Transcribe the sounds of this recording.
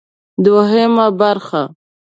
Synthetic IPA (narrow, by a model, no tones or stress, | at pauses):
d̪ʊɦemabaɾxa